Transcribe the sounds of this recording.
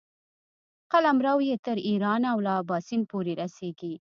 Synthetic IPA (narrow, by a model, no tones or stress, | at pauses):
qalamɾawjet̪əɾiɾɑnawlɑbɑːsinpoɾeɾaseɡi